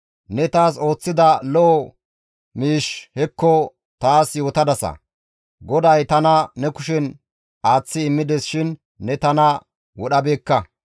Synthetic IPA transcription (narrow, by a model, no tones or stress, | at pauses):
nɛt̪aːso̞ːt͡sːɪd̪ɐlɔ | miːʃhɛkːɔ | t̪aːsjo̞ːt̪ɐd̪ɐsɐ̰ | ɡɔd̪ɐjt̪ɐnɐnɛkʊʃɛn | aːt͡sːɪːmːɪd̪ɛsʃɪnː | ɛt̪ɐnɐ | wɔɗɐbe̞ːkːɐ